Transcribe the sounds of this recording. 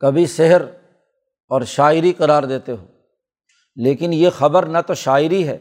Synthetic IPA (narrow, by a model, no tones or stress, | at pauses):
kɐbʱisɪɦəɾ | ɔːɾʃaːɪɾiqɐɾaːɾd̪eːt̪eɦoː | leːkɪnjexɐbəɾnat̪oʃaːɪɾiɦɛ̰ː